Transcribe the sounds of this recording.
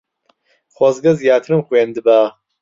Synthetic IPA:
xwozɡɐzjaːt̪ʰɨɾɨmxweːnd̪ɨbaː

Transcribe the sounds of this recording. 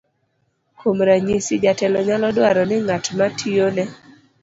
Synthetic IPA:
komɾaɲisid͡ʒatɛlɔɲalɔdwaɾɔnɪŋatmatʰionɛ

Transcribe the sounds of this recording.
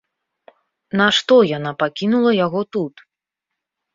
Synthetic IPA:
naʂt̪ɔjan̪apakʲinulˠɐjaɣɔt̪ut̪

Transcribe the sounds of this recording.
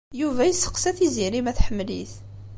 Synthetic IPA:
juvæjəsːə̥qsæθiziɾimæθħəmːlḭθ

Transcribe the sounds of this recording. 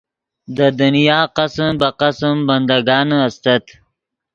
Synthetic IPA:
d̪əd̪ʊnijɑːqasəmbaqasəmband̪aɡɑːnast̪at̪

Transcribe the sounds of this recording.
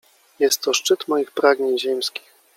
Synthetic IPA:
jɛst̪ːɔʂt͡ʂɘt̪mɔjixpɾaɡɲeɲʑɛmskʲi̥x

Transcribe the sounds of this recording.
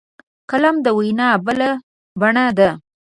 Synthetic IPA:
kalamd̪əwijnɑbəla | baɳad̪a

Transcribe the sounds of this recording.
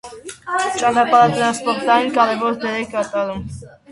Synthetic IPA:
t͡ʃɑnɑpɑɾɑt̪ɾɑnspɔɾt̪ɑjinkɑɾɛvɔɾt̪ɛɾɛkɑt̪ɑɾum

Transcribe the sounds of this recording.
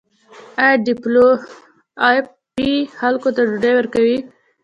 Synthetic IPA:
aɖiplo | pixalkot̪aɖʊɖajwəɾkawi

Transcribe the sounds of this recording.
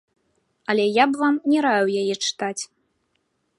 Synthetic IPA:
ɐlʲɛjabvamnʲɛɾajwjajɛt͡ʂɨ̥t̪at͡sʲ

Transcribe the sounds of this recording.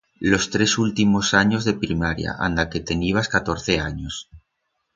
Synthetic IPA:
lo̞st̪ɾe̞sult̪imo̞saɲo̞zðe̞pɾimaɾja̰ʔa̰nd̪ake̞t̪e̞niβ̞askat̪o̞ɾθe̞aɲo̞s

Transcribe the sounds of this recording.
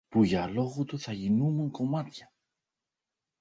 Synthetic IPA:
puʝɐlo̞ɣut̪uθɐʝinumuŋko̞mɐt̪çɐ

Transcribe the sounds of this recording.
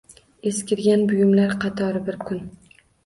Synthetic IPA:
eskʲɪɾɡʲanbʊjʊmlaɾqʰɑt̪ʰɒɾɪbɪɾkʰʊn

